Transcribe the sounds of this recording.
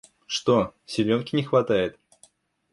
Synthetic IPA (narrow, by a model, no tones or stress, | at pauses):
ʂt̪osʲɪlʲonkʲɪnʲɪxvɐt̪ajɪt̪